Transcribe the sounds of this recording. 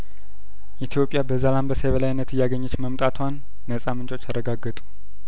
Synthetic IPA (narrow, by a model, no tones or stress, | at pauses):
ʔit̪ʰijo̞pʼːjabəzalambəseβəlajnːət̪ɨjːaɡəɲːət͡ʃməmt̪ʼat̪ʰwanː | əsʼamɨnt͡ʃʼo̞t͡ʃːaɾəɡaɡːət̪ʼu̥